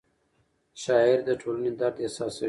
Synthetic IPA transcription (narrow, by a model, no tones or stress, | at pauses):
ʃɑɪɾd̪əʈʰoləned̪aɾt̪esɑs